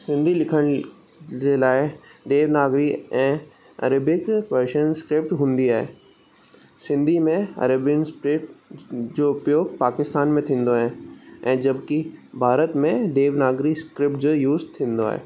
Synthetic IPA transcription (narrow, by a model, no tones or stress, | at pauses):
sɪ̃nd̪ʱilɪkʰəɽ̃ | d͡ʑelaːɪɖeːʋnaːɡɾiɛ̃ː | ɐ̰ɾəbɪkʋəɾʃənskɾɪp̚ʈɦũːnd̪iaːɦeː | sɪ̃nd̪ʱimẽɐ̰ɾəbjənspɾɪʈd͡ʑoːʊpjoːɡpaːkɪst̪aːnmẽt̪ʰĩːnd̪oaɦɛ̃ɛ̃ːd͡ʑɐbkibʱaːɾət̪mẽɖeːʋnaːɡɾiskɾɪp̚ʈd͡ʑojuːzt̪ʰĩːnd̪oa̰ːɦḛː